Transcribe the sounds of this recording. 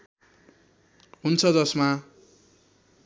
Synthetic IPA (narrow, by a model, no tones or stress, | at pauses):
ɦunt͡sʰʌd͡zʌsma